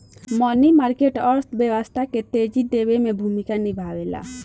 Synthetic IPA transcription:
mɔnimaɾkeʈɔɾt̪ʰbjəwəst̪ʰaket̪ed͡ʒid̪ewemebʱumikanibʱawela̰

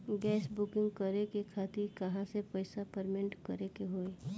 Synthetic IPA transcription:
ɡɛːsbʊkɪ̃ŋɡkəɾekekʰaːt̪ɪɾkɐɦãsepəɪsapəɾmɪ̃ɳʈkɐɾekeɦoːe

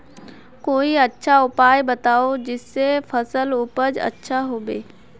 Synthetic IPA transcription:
koːiɐtːʃʰaʊpaːjbɐt̪aːod͡ʒɪsːefʰɐsəlʊpəd͡ʒɐ̰tːʃʰaɦoːbeː

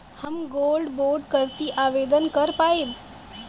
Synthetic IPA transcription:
həmɡolɖboɾɖkəɾt̪iʔaʋed̪ənkəɾpaeb

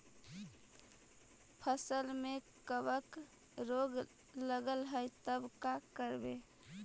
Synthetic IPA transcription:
pʰəsəlme | kəbək | ɾoɡ | ləɡəlɦəjt̪əbkakəɾbe

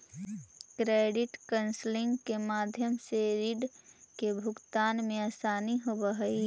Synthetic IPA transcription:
kɾeːɖɪʈkənslɪ̃ŋɡkemaːd̪ʱjəmseɾiɖkebʱʊɡt̪aːnmẽəsaːniɦobəɦəi

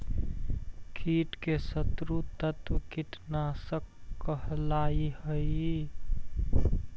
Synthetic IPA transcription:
kʰiːʈkesət̪ɾut̪ət̪ʋkiʈnaːsəkːəɦlaːihəi

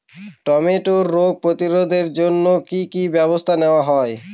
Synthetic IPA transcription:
ʈɔmeʈoɾːoɡ̚pɾot̪iɾod̪ʱeɾd͡ʑonːokikibɛbost̪ʰaneoaɦɔe

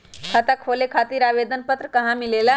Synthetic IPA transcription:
kʰət̪akʰolekʰat̪iɾaβed̪ʱənpət̪ɾəkəɦãmilela

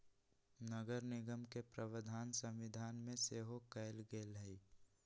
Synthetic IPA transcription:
nəɡəɾnɪɡəmkepɾəʋəd̪ʱaːnsə̃mʋɪd̪ʱaːnmẽseɦokəɪlɡelɦəi

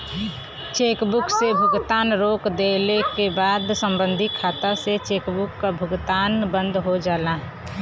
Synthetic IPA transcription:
t͡ʃeːkbuksebʱʊɡt̪anɾokd̪elekebaːd̪səmbənd̪ʱikʰaːt̪aset͡ʃeːkbukːabʱʊɡt̪aːnbə̃nd̪ʱɦod͡ʒaːla

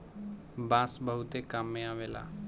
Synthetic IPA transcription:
bãːsbəɦʊt̪eːkaːmːẽaːʋeːla̰ː

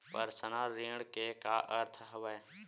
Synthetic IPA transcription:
pə̰ɾsənaːɾiːɽkekaːʔəɾt̪ʰɦəʋəj

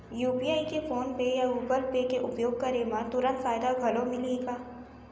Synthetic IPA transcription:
juːpiːaːikefoːnpejauːbəlpekeʔʊpjoːɡ̚kɐɾemãt̪ʊɾə̃nt̪faːjd̪aɡʱɐlõmɪliɡaː

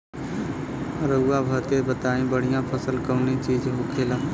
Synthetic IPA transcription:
ɾəʊːabʱət̪ebət̪aːẽbəɽ̤ijãpʰəsəlkəːnet͡ʃiːd͡ʒɦoːkʰeːlãː

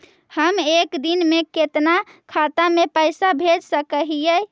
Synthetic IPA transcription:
həmekd̪inmeket̪nakʰat̪amepəjsabʱed͡ʒsəkəɦijə

